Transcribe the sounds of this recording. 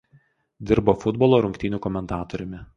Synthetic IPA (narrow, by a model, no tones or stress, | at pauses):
d̪ʲɪɾboːfʊd̪bɔlˠoːɾʊŋʲkʲt̪ʲɪnʲuːkɔmʲɛnt̪ɑːt̪ɔɾʲʊmʲɪ